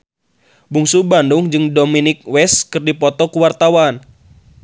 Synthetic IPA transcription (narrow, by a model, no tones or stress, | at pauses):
buŋsubanduŋd͡ʒɨŋdominɪk̚wɛskɨrdipɔt̪ɔkuwart̪awan